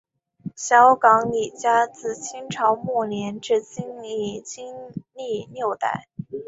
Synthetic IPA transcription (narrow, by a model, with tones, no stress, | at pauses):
ɕjɑ˧˥ʊkɑ˧˥ŋli˨˩t͡ɕja˥t͡sɹ̩˥˩t͡ɕʰi˥ŋʈ͡ʂʰɑ˧˥ʊmu˥˩njɛ˧˥nʈ͡ʂɻ̩˥˩t͡ɕi˥ŋli˥˩t͡ɕi˥ŋli˥˧njo˥˧ʊt̪a̰˥˩ɪ